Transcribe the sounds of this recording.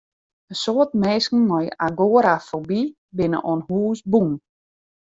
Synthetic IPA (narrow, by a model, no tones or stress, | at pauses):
əsoətmeːskn̩nɔjaɡoəɾafobi | bɪnə̰ʔɔnhuːsbun